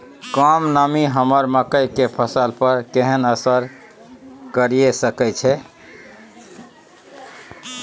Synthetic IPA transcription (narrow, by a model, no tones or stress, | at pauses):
kəmnəmiɦəməɾməkəjkepʰəsəlpəɾkeɦənəsəɾ | kəɾijesəkət͡ʃʰɛ